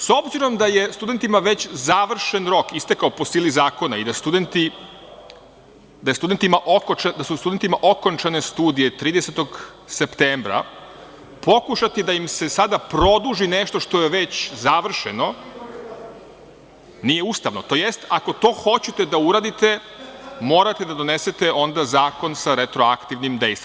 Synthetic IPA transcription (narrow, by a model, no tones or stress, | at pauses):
so̞bziɾo̞md̪aje̞st̪ud̪e̞nt̪imaʋet͡ɕzaʋr̩ʃenɾo̞kist̪ekaopo̞siːlizaːko̞naid̪ast̪ud̪e̞nt̪i | d̪ajest̪ud̪e̞nt̪imaʔokad̪asust̪ud̪e̞nt̪imaʔo̞ko̞nt͡ʃane̞st̪uːd̪ije̞t̪ɾiːd̪ese̞t̪o̞ɡ | sept̪eːmbɾa̰ | po̞kuʃat̪id̪aimse̞sad̪apɾo̞d̪uʒineʃt̪o̞ʃt̪o̞jeʋe̞t͡ɕzaʋr̩ʃeno̞ | nijeuːst̪aʋno̞t̪o̞jest̪ako̞t̪o̞ːxo̞t͡ɕet̪e̞d̪auɾaːd̪it̪e̞ | mo̞ːɾat̪e̞d̪ad̪o̞nese̞t̪e̞ʔo̞nd̪azaːko̞nsaɾet̪ɾo̞akt̪iʋnimd̪e̞jst̪vi